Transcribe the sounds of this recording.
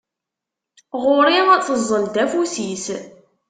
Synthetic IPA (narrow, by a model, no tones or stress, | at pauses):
ʁʊɾiʁæt͡sːəzˤːəld̪æfusis